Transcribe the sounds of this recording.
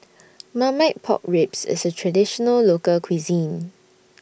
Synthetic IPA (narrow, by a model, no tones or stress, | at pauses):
mamaɪt̚pʰɔ̰k̚ɹipsɪ̰sətʰɹadɪʃɔnəllokəlkʰwizĩn